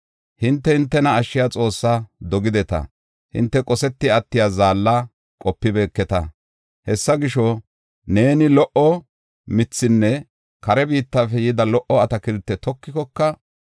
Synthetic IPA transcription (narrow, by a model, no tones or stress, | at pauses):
hɪnt̪ːɛhɪnt̪ːɛnɐːʃːɪjat͡sʼo̞ːsːad̪ɔɡɪd̪ɛt̪ɐ̰ | hɪ̰nt̪ːɛkʼɔsɛt̪ːɪɐt̪ːɪjaːzaːlːa | kʼɔpːɪbeːkːɛt̪ɐ̰ | hɛsːɐɡɪʃɔ | ne̞ːnɪlɔʔɔ | mɪt͡sːɪnːɛ | kɐɾɛbiːt̪ːaːfɛjɪd̪ɐlɔʔɔɐt̪ɐkɪɾt̪ːɛt̪ɔkːɪkɔkːɐ